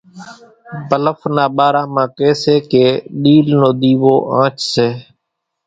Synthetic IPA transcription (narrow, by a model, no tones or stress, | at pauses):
bələfnaːɓaːɾaːmãːkeːseːkeːɗiːlnoːɗ̪iːʋoːʔãːt͡ʃseː